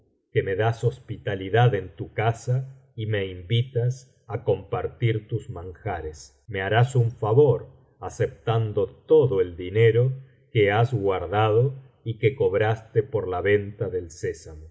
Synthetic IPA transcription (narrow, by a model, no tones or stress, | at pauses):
keme̞ðaso̞spit̪aliðaðent̪ukasa | ime̞imbit̪as | ako̞mpaɾt̪iɾt̪uzmãŋxaɾes | me̞aɾasuɱfaβoɾ | asep̚t̪and̪ot̪oðoeld̪ineɾo | keazɣwaɾðaðo | ikekoβɾast̪epoɾlaβe̞nt̪aðelsesamo